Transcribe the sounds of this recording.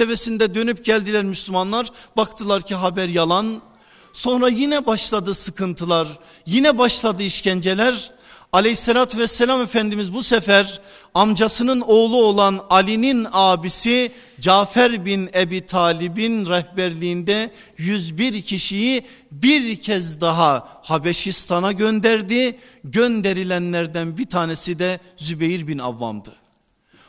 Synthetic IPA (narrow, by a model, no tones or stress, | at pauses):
evesind̪ɛd̪ø̞nyp̚ɟælʲd̪ilʲæɾmyslʲymanlˠaɾbakt̪ʰɯlˠaɾcʰiɦabæɾjalˠan | so̞nɾajinɛbaʃlˠad̪ɯsɯkʰɯnt̪ʰɯlˠaɾ | jinɛbaʃlˠad̪ɯiʃcænd͡ʒe̞lʲæɾ | alʲejisːelʲaːt̪ʰvɛsːɛlʲamefænd̪imizbusɛfæɾ | amd͡ʒasɯnɯno̞ːlˠuo̞lˠanalʲininaːbisi | d͡ʒaːfæɾbinebiːt̪ʰaːlʲibinɾɛhbæɾlʲijːnd̪ɛ | jyzbiɾcʰiʃiji | biɾcʰɛzd̪aɦahabɛʃist̪ʰanaɟønd̪æɾd̪i | ɟønd̪eɾilʲænlæɾd̪ænbiɾt̪ʰaːnesid̪ɛ | zybejiɾbina̰vːa̰md̪ɯ